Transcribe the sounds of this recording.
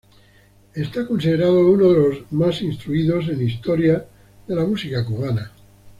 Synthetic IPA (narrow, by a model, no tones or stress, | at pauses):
est̪akonsiðeɾaðounoðelo̞zmasinst̪ɾuiðo̞se̞nist̪oɾja | ðe̞lamusikakuβana